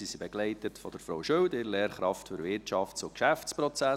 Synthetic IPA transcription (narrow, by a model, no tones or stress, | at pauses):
sisibɛɡ̥lɛɪtətfɔd̥əɾfɾowʃøwdɪɾlɛːɾχɾɑftfyɾʋɪrtʃɑftsʊkʃæft͡spɾɔt͡sæ